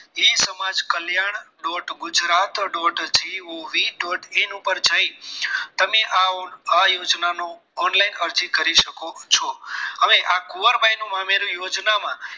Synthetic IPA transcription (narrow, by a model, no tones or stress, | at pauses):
esəmad͡ʒkəljaɳ̃ | ɖɔʈɡʊd͡ʒɾat̪ɖɔʈd͡ʒioʋiɖɔʈʰenũpəɾd͡ʒait̪əmeʔaajod͡ʒnanoː | nlainəɾd͡ʒikəɾiʃəkot͡ʃʰɔəʋeʔakoʋəɾbajnũmãmeɾũjod͡ʒnamã